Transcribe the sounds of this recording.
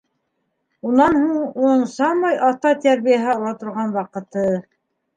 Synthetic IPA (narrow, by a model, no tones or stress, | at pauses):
unɑnhuɴuɴsɑmɑjʔɑt̪ɑt̪æɾβijæɦɘɑlˠɑt̪ŏɾʁɑnwɑqɤ̆t̪ɤ